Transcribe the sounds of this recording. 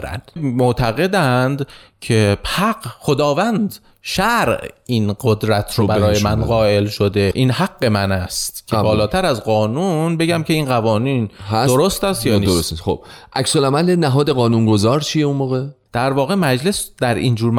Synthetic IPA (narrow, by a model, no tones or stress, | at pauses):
ɾæ̰nd̪̥moʔt̪ʰæɣe̞d̪ænd̪cʰe̞hæɡxo̞d̪ɒːvænd̪ | ʃæɾʔinɢod̪ɾæt̪ʰɾobæɾɒːjemænɢɒːʔe̞lʃod̪e̞ʔiːnɦæɡːe̞mænæst̪cʰebɒːlɒːt̪ʰæɾæzɢɒːnunbe̞ɟæmcʰe̞iːnɢævɒːniːnhædoɾost̪æst̪jɒːnioosio̰b̥ʔæksolæmælenæɦɒːd̪eɣɒːnunɡozɒːɾt͡ʃʰijeunmoːɣed̪̥æɾvɒːɣe̞mæd͡ʒle̞sd̪̥æɾind͡ʒuːɾm